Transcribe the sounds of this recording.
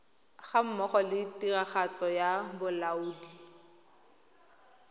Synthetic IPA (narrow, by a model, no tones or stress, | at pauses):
χam̩mɔχɔlɪtiraχat͡sɔjabʊlauːdi